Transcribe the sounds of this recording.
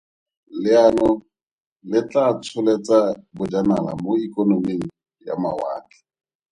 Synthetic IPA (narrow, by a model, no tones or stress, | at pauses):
lɪanɔ | lɪt͡ɬat͡sʰʊlet͡sabʊd͡ʒana̰la̰moikʼonomeŋ̩ | ja̰ma̰wa̰ːkɪ̥